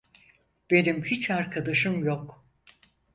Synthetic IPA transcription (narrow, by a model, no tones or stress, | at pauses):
b̥e̞nimhit͡ʃaɾkʰad̪aʃɯmjok